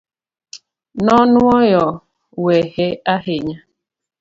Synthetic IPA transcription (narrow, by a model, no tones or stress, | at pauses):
nɔnʊɔjɔ | weheaɦɪɲa